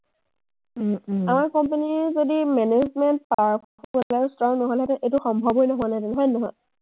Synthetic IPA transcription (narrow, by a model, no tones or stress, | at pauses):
amaɹkɔmpenizodimɛnezmɛnt̚pakʰakʰɔkɔlɛstɹɔŋnɔɦɔjlɛtɛʔetʊxɔmbʱɔbɔjnɔɦɔanatɛnɦɔjnɔɦɔj